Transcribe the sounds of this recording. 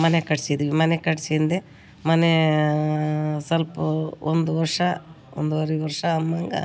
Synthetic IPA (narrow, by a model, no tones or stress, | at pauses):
mɐnekɐʈsid̪iʋimɐnekɐʈsind̪e | mɐne | sɐlpuond̪uʋɐɾʂɐ | o̰nd̪uɐɾiʋɐɾʂɐːmːɐŋɡɐ̰